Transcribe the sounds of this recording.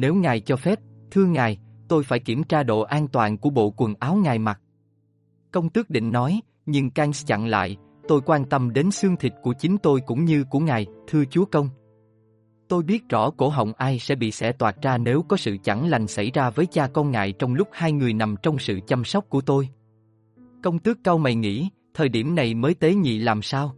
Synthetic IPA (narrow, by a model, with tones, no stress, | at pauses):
ne˨˦wŋaː˨˩jt͡ɕɔ˧fɛ˦˥p̚t̪ʰɨ˧əŋaː˨˩jt̪o˧jfaː˧˩jki˧˩əmt͡ɕaː˧ɗo̰˧˨ʔaː˧nt̪waː˨˩nku˧˩əɓo̰˧˨kwə˨˩ŋʔaː˨˦wŋaː˨˩jma˨˩t̚ | kə˧wŋ͡mt̪ɨ˦˥ək̚ɗḭ̈˧˨ŋ̟nɔ˨˦j | ɲɨ˧ŋka˧ŋt͡ɕa̰˧˨ŋla̰ː˧˨j | t̪o˧jkwaː˧nt̪ə˧mɗe˨˦nsɨ˧əŋt̪ʰï˨˩k̟̚ku˧˩ət͡ɕï˨˦ŋ̟t̪o˧jkʊ̰˧˥ŋ͡mɲɨ˧ku˧˩əŋaː˨˩jt̪ʰɨ˧ət͡ɕu˨˦əkə˧wŋ͡m | t̪o˧jɓi˦˥ət̚zɔ˧˩ko˧˩ɦə̰˧˨wŋ͡mʔaː˧jsɛ̰˧˥ɓḭ˧˨sɛ̰˧˥t̪waː˨˩t̚zaː˧ne˨˦wkɔ˨˦sɨ̰˧˨t͡ɕa˧˩ŋla˨˩jŋ̟sa˧˩jzaː˧vəː˨˦jt͡ɕaː˧kɔ˧nŋa̰ː˧˨jt͡ɕɔ˧wŋ͡mlʊ˦˥k͡p̚haː˧jŋɨ˨˩əjna˨˩mt͡ɕɔ˧wŋ͡msɨ̰˧˨t͡ɕa˧msɔ˦˥wk͡p̚ku˧˩ət̪o˧j | kə˧wŋ͡mt̪ɨ˦˥kːaː˧wma˨˩jŋḭ˧˥ | t̪ʰəː˨˩jɗi˧˩əmna˨˩jməː˨˦jt̪e˨˦ɲḭ˧˨laː˨˩msaː˧w